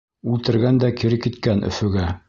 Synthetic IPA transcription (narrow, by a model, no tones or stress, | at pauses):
ʉlt̪ɘ̆ɾɡænd̪ækiɾɘkːit̪kænɵ̰̆fɵ̆ɡæ